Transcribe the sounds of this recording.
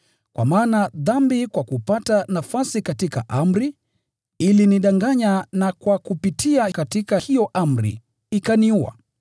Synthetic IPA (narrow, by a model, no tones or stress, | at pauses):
kwa̰maːnaðambikwakupatanafasikatika̰ʔam̩ɾi | iliniɗaŋɡaɲanakwakupitʰiakatikahijɔʔam̩ɾḭ | ikaniuwa̰